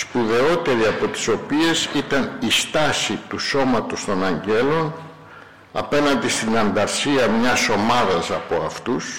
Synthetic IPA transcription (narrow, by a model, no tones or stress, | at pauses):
spuðe̞o̞t̪e̞ɾiɐpo̞t̪i̥so̞pie̞sit̪ɐnist̪ɐsit̪uso̞mɐt̪o̞st̪o̞nɐɲɟe̞lo̞n | ɐ̰pe̞nɐnd̪ist̪inɐnd̪ɐɾsiɐmɲɐso̞mɐðɐsɐpo̞ɐft̪us